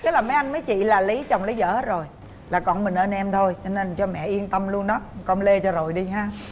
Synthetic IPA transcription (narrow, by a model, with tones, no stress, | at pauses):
k̪e˦˥laː˨˩məː˨˦jʔa˧jŋ̟məː˨˦jt͡ɕḭ˧˨laː˨˩li˨˦t͡ɕə˨˩wŋ͡mli˨˦zə̰ː˧˥˦t̚zo˨˩j | laː˨˩kɔ̰˨˩nmï˨˩ŋ̟ʔəː˧nɛ˧mt̪ʰo˧jt͡ɕɔ˧ne˧nt͡ɕɔ˧mɛ̰˧˨ʔi˧ənt̪ə˧mlu˧ənɗɔ˨˦kɔ˧nle˧t͡ɕɔ˧zo˨˩jɗi˧ɦaː˧